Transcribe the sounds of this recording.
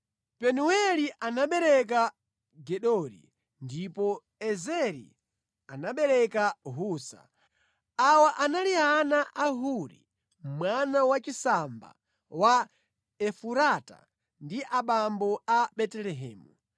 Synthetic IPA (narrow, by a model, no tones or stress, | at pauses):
pɛnuwɛliʔanaɓɛɾɛk̬a | ɡɛɗɔɾḭ | ndipɔ | ɛzɛɾḭ | anaɓɛɾɛkaɦuːsa̰ | awaʔanalianaʔaɦuɾḭ | mmwanawat͡ʃisamba̰ | wa | ɛfuɾata̰ | ndiʔaɓambɔaɓɛtɛlɛɦɛ̰ːmu